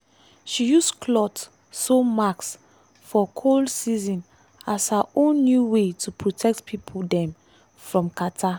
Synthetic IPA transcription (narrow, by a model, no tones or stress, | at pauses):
ʃijuskʰlɔt | somaks | fɔkʰoldsizɔ̃n | ashaʔõnːjuwetʰupʰɹotʰɛk̚tpʰipʰuldɛ̃m | fɹɔ̃mkatʰa